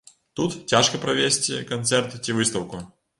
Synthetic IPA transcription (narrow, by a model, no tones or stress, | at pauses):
t̪ut̪tʲːaʂkəpɾɐvʲesʲtʲɪkɐnt̪sɛrt̪tʲɪvɨst̪əwkʊ